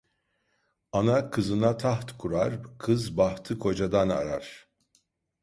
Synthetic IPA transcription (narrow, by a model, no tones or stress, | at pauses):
anakʰɯzɯnat̪ʰaht̪kʰuɾaɾkʰɯzbaht̪ʰɯkʰo̞d͡ʒad̪ana̰ɾaɾ̥